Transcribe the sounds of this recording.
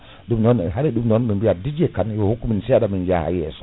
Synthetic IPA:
dumnonɦaɾidumnonmibiadid͡ʒekanohukːuminseadamind͡ʒa̰ha̰jḛs

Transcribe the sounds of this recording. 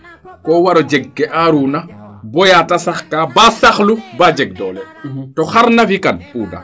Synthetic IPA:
kɔwaɾɔd͡ʒɛɡːɛʔaɾuːnabɔjatasaxkaːbasaxlubad͡ʒɛɡ̚dɔːlɛ | tɔxaɾnafikanpuːda̰

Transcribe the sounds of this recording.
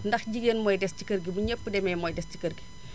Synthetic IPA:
ndɐxɟiɡənmɔːjdɛsci̥kəɾɡibuɲəpːədɛmɛjmɔjdɛsci̥kərɡi

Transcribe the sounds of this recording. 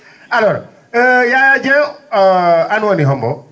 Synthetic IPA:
aloɾ̰ | jad͡ʒe | anuoniɦɔmbɔ

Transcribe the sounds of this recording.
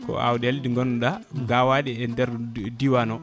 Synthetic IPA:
kɔ̰a̰wɗɛldiŋɡɔnɗaɡawaɗɛɛndɛɾdiwanɔ

